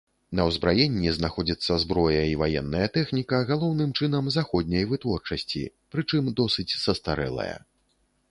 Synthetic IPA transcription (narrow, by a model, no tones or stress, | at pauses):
nɐwzbɾajɛnʲːiznaxɔd͡zʲit̪sːɐzbɾɔjɐivajɛnːɐjɐt̪ɛxnʲikɐɣalˠɔwnɨmt͡ʂɨnɐmzaxɔd̪ʲnʲɐjvɨt̪vɔrt͡ʂɐsʲt͡sʲḭ | pɾɨt͡ʂɨmd̪ɔsɨt͡sʲsɐst̪aɾɛ̰lˠɐ̰jɐ̰